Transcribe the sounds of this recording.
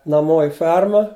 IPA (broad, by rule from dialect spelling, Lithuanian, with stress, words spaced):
nɐˈmoː ɪ ˈfʲɛrmɐ